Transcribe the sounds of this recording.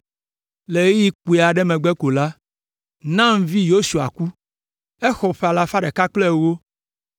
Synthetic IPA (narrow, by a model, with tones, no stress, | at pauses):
le˨e˦ji˦k͡pu˦˨e˨a˨ɖɛ˦mɛ̃˨ɡ͡bɛ˦ko˨la˦ | nã˦m˦vi˦jo˦su˨a̰˨ku˦ | ɛ˦xɔ˨ɸɛ˦˨a˨la˨fa˦ɖɛ˨ka˦k͡plɛ˦wo˦